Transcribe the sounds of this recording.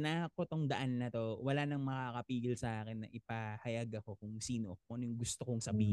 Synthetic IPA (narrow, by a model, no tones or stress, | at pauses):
naːkot̪oŋd̪ɐʔanːɐt̪owɐlanɐŋmɐkakɐpiːɡɪlsɐʔaːkɛnːɐʔɪpahɐjɐɡɐko̞kʊŋsiːnoʔɐnjʊŋɡʊst̪okoŋsɐbiːh